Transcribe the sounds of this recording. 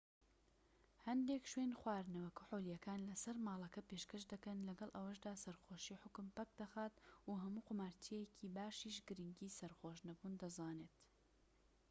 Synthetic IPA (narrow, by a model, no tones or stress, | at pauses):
hɐnd̪ekʃweːnxwaːɾnɐwɐkuħolijɐkaːnlɐsɐɾmaːlˠɐkɐpeʃkɐʃd̪ɐkɐnlɐɡɐlˠʔɐwɐʃ̬d̪aːsɐɾxoːʃiːħʊkʊmpɐk̚d̪ɐxaːt̪uɦɐmuːqʊmaːɾt̪ʰiɛkʰiːbaːʃiːʃɡɨɾiŋɡiːsɐɾχoːʃnɐbund̪ɐzaːneːt̪